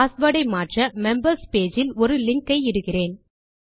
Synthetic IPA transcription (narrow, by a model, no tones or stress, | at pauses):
aːsʋɐːɽɐɪmaːʈrɐmɛmbɐɾspeːd͡ʒɪlɔɾɯlɪŋkːɐɪɪɽɯɣɪreːn